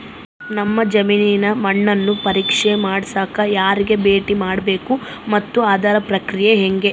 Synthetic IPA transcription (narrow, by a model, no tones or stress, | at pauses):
nɐmːɐd͡ʒɐmiːninɐmɐɳːɐnːupɐɾiːkʂemaːɽsaːkɐjaːɾiɡe̞be̞ːʈimaːɽbe̞ːku | mɐt̪ːuaːd̪ʱaːɾɐpɾɐkɾijeɦeŋɡe̞